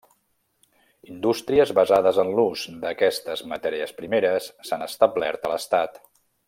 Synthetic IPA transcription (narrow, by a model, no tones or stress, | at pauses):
ind̪ust̪ɾiəzβəzaðəzənluzd̪əkɛst̪əzmət̪ɛɾiəspɾimeɾəsːanəst̪əblɛ̰ɾt̪ələst̪at̪